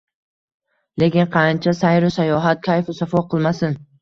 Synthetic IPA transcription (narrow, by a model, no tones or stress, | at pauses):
le̞kʲɪnqʰɑnt͡ʃʰasajɾʊsajɒɦat̪̚kʲʰajfɪsafɒqʰɨlˠmasɪn